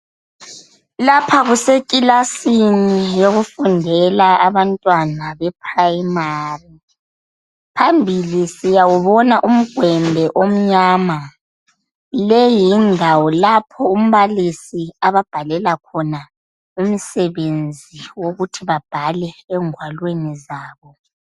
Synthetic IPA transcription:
lapʰaɣusekʼilasinijoɣufundʱɛlaaβantʼwanaβɛp̚ʰrajimaːri | pʰambʱilisijawuβɔnaʔum̩ɡ̥ʱwɛmbʱɛʔom̩ɲaːma | lejindʱawɔlapʰɔum̩βalisiaβab̥ʱalɛlakʰɔna | um̩sɛβend͡zʱiwoɣutʰiβab̥ʱalɛɛŋʱwalwenizaːβɔ

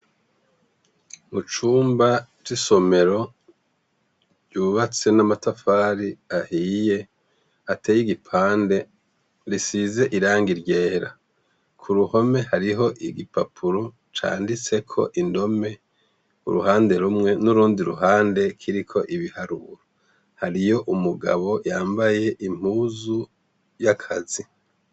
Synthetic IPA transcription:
mut͡ʃuːmbad͡ʒiso̞me̞ɾo̞ | ɟuβat͡se̞namatafaːɾiahiːje̞ | atʰeːjiɡipʰaːnde̞ | ɾisize̞ʔiɾaːŋɡiɾɟe̞ːɾa̰ | kʰuɾuho̞me̞haɾiɦo̞ʔiɡipapʰuɾo | t͡ʃa̰ːndit͡se̞kʰo̞̰ʔindo̞me̞ | ṵɾṵhaːnde̞ɾumŋe̞nuɾuːndiɾṵɦaːnde̞kʰiɾikʰo̞ʔiβihaɾuɾo | haɾijo̞ʔumuɡa̰βo̞jaːmbaje̞ʔim̥uːzu | jakʰazi

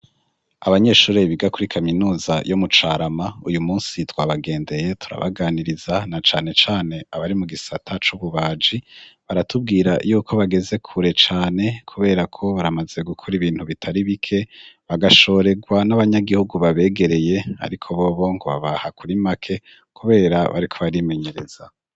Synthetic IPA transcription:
aβaɲe̞ːʃuːɾeβiɡakuɾikʰaminuːzajomut͡ʃaːɾamaujumuːnsitwaːβaɡe̞ːnde̞je̞tʰuɾa̰βa̰ɡaːniɾizanat͡ʃaːne̞t͡ʃaːne̞aβaɾimuɡisatʰat͡ʃuβuβaːd͡ʒiβaɾatub̚ɡiːɾajuːkʰo̞βaɡe̞ze̞kʰuɾe̞t͡ʃaːne̞kʰuβe̞ːɾakʰo̞βaɾamaze̞ɡukʰuɾiβiːn̥huβitʰaɾiβikʰe̞βaɡaʃo̞ɾe̞ɡwanaβaɲaɡihuɡuβaβe̞ːɡe̞ɾe̞je̞a̰ɾikʰo̞βo̞ːβo̞ŋɡo̞βa̰βahakʰuɾimakʰe̞ | kuβe̞ːɾaβa̰ɾikʰo̞βaɾime̞ɲe̞ɾe̞z̥a

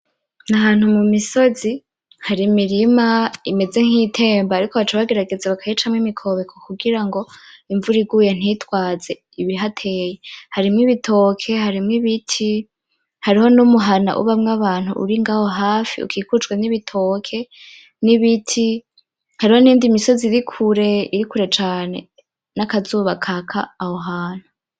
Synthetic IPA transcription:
naɦaːn̥humumiso̞zi | haɾimiɾimaime̞ze̞ŋ̥hiːtʰe̞ːmbaaɾikoβat͡ʃaβaɡe̞ɾaɡe̞zaβakʰajit͡ʃamŋimikʰo̞βe̞kʰokuɡiɾaŋɡo̞iɱvuɾiɡujen̥itwaːze̞ | iβiiɦatʰe̞ːje̞haɾimŋiβitʰo̞ːkʰe̞haɾimŋiβitʰi | haɾiho̞numuɦana̰ʔṵβamŋaβaːn̥hṵʔṵɾiŋɡaːho̞ɦaːfḭṵkʰiːkut͡ʃɡweniβitʰoːkʰe̞ | niβitʰi | haɾiho̞niːndimiso̞ziɾikʰuɾe̞iɾikuɾe̞t͡ʃaːne̞̰ | nakazuːβakʰakʰa̰ːho̞ɦaːn̥u

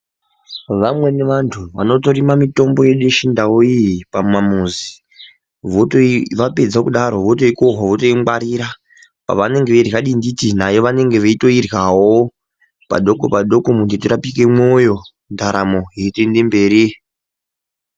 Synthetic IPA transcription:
ʋamwe̞ne̞ʋantʰuʋano̞to̞rimamito̞mbo̞jeɗeʃindawoijipamamuzi | ʋotoʋape̞d͡zakuɗaɾo̞ʋo̞to̞ikoɦaʋotojimaɾiɾa | pa̰ʋane̞ŋɡeʋerɣaɗinditinajo̞ʋane̞ŋɡe̞ʋeito̞irɣawo | pa̰ɗo̞kopaɗo̞komuntetirapike̞mojo̞ | ndʱaɾamo̞ɦetendembe̞ːɾi

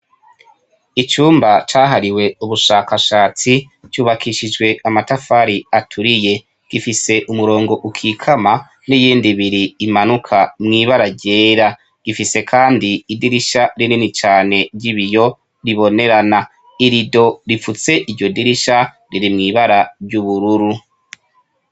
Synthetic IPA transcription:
it͡ʃuːmbat͡ʃaːɦaɾiwe̞uβuʃaːkaʃaːt͡si | t͡ʃuːβakʰiʃid͡ʒɡwe̞ʔamatafaɾiatʰuɾije̞ | ɡ̥ifise̞ʔumuɾo̞ːŋɡo̞ʔukʰikʰama | nijiːndiβiɾiːmanukʰamŋiːβaɾaɾɟe̞ːɾa | ɡ̥ifise̞kʰaːndiːdiɾiʃaɾininit͡ʃaːne̞ɾɟiβijo̞ | ɾiβo̞ne̞ɾana | iɾido̞ɾifut͡se̞ʔiɟo̞diɾiʃa | ɾiɾimŋiːβaɾaɾɟuβuɾuɾu

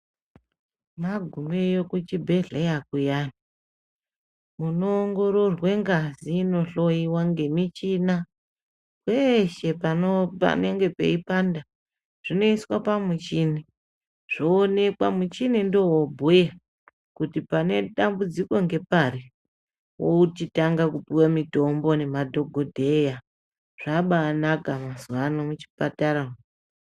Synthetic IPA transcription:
maɡʱumejokut͡ʃibʱe̞ɮejakujaːni | muno̞ːŋɡo̞ɾo̞rwe̞ŋɡaziːno̞ɬo̞iwaŋɡe̞mit͡ʃina | kwe̞ʃe̞panopa̰ne̞ŋɡe̞pe̞̰ipanda | ʐ̥ino̞iswapamut͡ʃini | ʐ̥oːne̞kwamut͡ʃinindowobʱuja | kutipane̞ɗambud͡ziko̞ŋɡe̞pari | wout͡ʃitaŋɡakupiwamito̞mbo̞ne̞madʱo̞ɡʱodʱe̞ja | ʐ̥aɓaːnakamazuanomut͡ʃi̥pataɾa

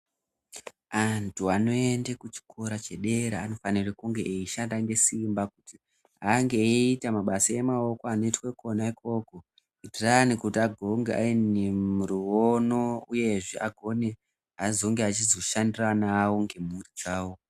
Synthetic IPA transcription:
antʰuano̞e̞ndekut͡ʃi̥kʰoɾat͡ʃeɗe̞ɾeano̞fanirekuŋɡe̞ʔːiʃandaŋɡe̞simbakuti | aŋɡe̞itamaɓasaje̞mao̞koano̞itweko̞naiko̞ːko̞ | itiranikutiaɡʱo̞ŋɡea̰inemuɾiwono̞uje̞ʐeaɡʱo̞ne̞ | ɦazo̞ŋɡeat͡ʃizo̞ʃandiranawo̞ŋɡe̞murit͡ʃaːwo

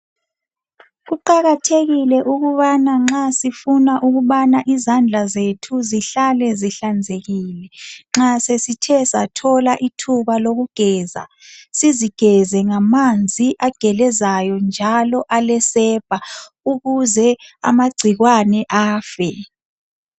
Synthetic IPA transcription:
ɣuǃaɣatʰeɣilɛʔuɣuβanaŋ͡ǁasifunaʔuɣuβanaʔizand͡ɮʱazetʰuziɬalɛziɬand͡zʱeɣiːlɛŋ͡ǁasesitʰɛsatʰɔlaʔitʰuβaloɣuɡ̥ʱɛːza̰siziɡ̥ʱɛzɛŋamand͡zʱiʔaɡ̥ʱɛlɛzajɔnd͡ʒʱalɔʔalɛsɛb̥ʱa | uɣuzɛa̰maɡ͡ǀʱiɣwanɛʔaːfɛ

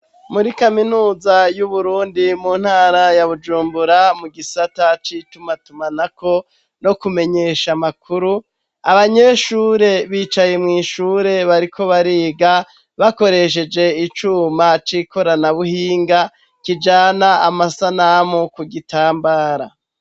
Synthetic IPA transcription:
muɾikaminuːzajuβuɾuːndimun̥haːɾajaβud͡ʒuːmbuɾamuɡisatat͡ʃitumatumanako̞ | no̞kume̞ɲe̞ʃamakʰuɾu | aβaɲe̞ʃuːɾe̞βiːt͡ʃaje̞mŋiːʃuːɾe̞βaɾikʰo̞βaɾiːɡa | βako̞ɾe̞ʃ̬e̞d͡ʒe̞it͡ʃumat͡ʃiːko̞ɾanaβuhiːŋɡa | kid͡ʒaːnaamasanamokuɡitʰaːmbaːɾa

